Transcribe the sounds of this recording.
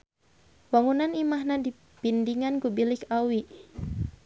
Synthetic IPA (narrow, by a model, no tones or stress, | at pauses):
waŋunanimaɦnadi | pindiŋankubilɪkawiʔ